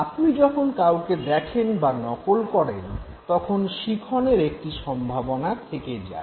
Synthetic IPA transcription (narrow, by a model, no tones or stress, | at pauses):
apnid͡ʑɔkʰonkawked̪ɛkʰenbanɔkolkɔɾen | t̪ɔkʰonʃikʰɔneɾek̚ʈiʃɔmbʱabonat̪ʰeked͡ʑa̰